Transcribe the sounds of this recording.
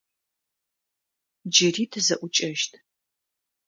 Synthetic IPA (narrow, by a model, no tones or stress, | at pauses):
d͡ʒɪriːtʰɨzɐʔʷʊt͡ʃʼɐʃtʰʼ